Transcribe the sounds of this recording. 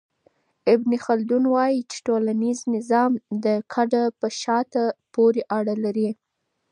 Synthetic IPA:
ɪbnixald̪unwɑjit͡ʃe̥ʈolaniznɪzɑmd̪əkʰaɖapəʃɑt̪apoɾeʔaɽalaɾi

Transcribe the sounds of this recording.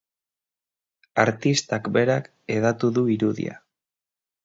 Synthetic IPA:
aɾt̪ist̪akbe̞ɾak | eðat̪uðuiɾuðḭa̰

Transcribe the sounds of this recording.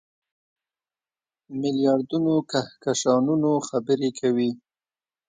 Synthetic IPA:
mɪljɑɾd̪unokahkaʃɑnunoxabəɾekʰawi

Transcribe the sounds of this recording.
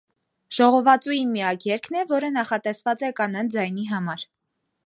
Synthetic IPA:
ʒ̥ɔʁɔvɑt͡sujinmijɑkjɛɾkʰn̪ɛvɔɾənɑχɑt̪ɛsvɑt͡sɛkɑnɑnd͡zɑjn̪iɦɑmɑɾ

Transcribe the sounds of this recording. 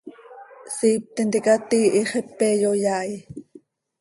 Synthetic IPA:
siːp̚t̪ɛnt̪ikɑt̪iːʔiχepːejojaːj

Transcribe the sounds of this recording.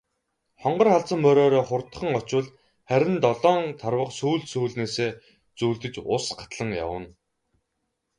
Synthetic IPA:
χɔɴɢɞ̆rχaɮt͡sə̆mpœɾɔːɾɔːχʊrt̪ə̥̆χə̆ŋɔt͡ɕʊ̆ɮ | χæɾʲɪ̆nt̪ɔɮɔːnt̪ʰarwə̆qsuːɮsuːɮneːseː | t͡suːɮt̪ɘ̆t͡ɕʊsɢḁt̪ɮə̆ŋja̰wə̰̆n

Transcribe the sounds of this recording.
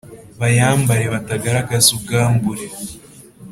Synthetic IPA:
βajaːmbaɾeβataɡaɾaɡazuɡaːmbuɾe

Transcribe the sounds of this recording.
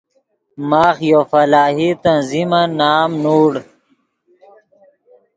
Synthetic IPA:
maːxjofɐlaːɦit̪ɐnzimanaːmnuːɽ

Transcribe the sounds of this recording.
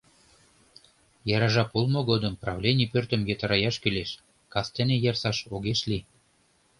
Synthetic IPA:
jɑɾɑʒɑpolˠmoɣod̪əmprɑvlʲenʲipørt̪ə̆mjet̪ɑɾɑjɑʃkyleʃ | kɑst̪ĕnejɑrsɑʃoɣeʃli

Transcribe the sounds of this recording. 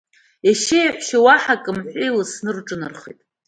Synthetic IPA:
aʃejħʷʃawaħakʼɨmħʷilɨsnɨrʈ͡ʂʼɨnɨrχḛtʼ

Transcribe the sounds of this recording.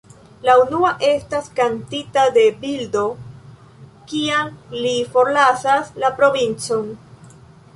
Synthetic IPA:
launuaʔe̞staskantitade̞bildo̞ | kiaŋlifo̞ɾlasaslapɾo̞vint͡son

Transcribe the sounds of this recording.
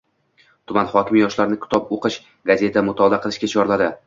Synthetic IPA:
t̪ʰʊmanχɒkʲɪmjɒʃlaɾnɪkʲʰʊ̥t̪ʰɒpoqɨʃ | ɡaze̞t̪ʰamʊt̪ʰɒd̪aqʰɨlˠɪʃkʲat͡ʃʰɒɾlad̪ɪ

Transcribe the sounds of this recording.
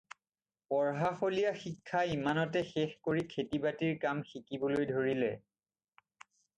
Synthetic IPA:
pɔɹɦaxolijaxikʰːaimanɔtɛxɛxkoɹikʰetibatiɹkamxikibolojdʱoɹilɛ

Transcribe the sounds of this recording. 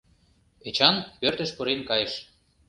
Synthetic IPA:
et͡ɕɑnpørt̪ɘ̆ʃpuɾenkɑjɤ̆ʃ

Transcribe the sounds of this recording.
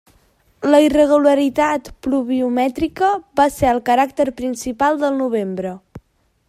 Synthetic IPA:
ləirəɣ̞uləɾit̪at̪pluβ̞iumɛt̪ɾikəβaseəlˠkəɾak̚t̪əɾpɾinsipalˠd̪əlˠnuβ̞embɾə

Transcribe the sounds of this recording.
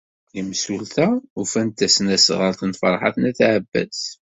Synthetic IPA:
liməsult̪æufænt̪ːæsənæsʁəɾt̪nfɑɾˤħɑ̰θnæθʕəbːæ̰z

